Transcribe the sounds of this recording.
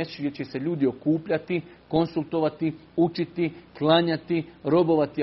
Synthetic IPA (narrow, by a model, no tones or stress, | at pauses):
et͡ʃɡjʲet͡ɕese̞ʎuːd̪io̞kuːpʎat̪i | ko̞nsult̪o̞ʋat̪i | ut͡ʃit̪iklaɲat̪iɾo̞bo̞ʋat̪i